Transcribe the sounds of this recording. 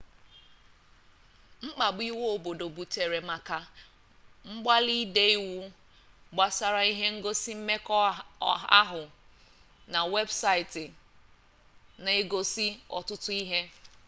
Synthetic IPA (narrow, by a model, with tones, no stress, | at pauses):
ŋ͡m̩˦k͡pa˨ɡ͡bi˦wo˦o˨bo˨do˨bu˨t͡ʃe˨ɾe˨ma˨ka˨ | ŋ͡m̩˦ɡ͡ba˦li˦de˦i˦wu˦ | ɡ͡ba˨sa˨ɾa˨i˦ɦe˦ŋ̩˦ɡo˦si˦m̩˦me˦kɔ˦ɦa˦ɦʊ˨ | na˨we˦bsa˦ɪ˨tɪ˨ | n˨e˦ɡo˦si˦ɔ̰˨tʊ˦tʊ˦i˦ɦe˦